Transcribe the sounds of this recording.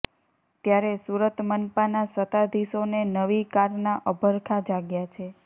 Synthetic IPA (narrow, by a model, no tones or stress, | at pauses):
t̪jaɾesuɾət̪mənpanasət̪ad̪ʱiʃonenəʋikaɾnaʔəbʱəɾkʰad͡ʒaɡjat͡ʃʰe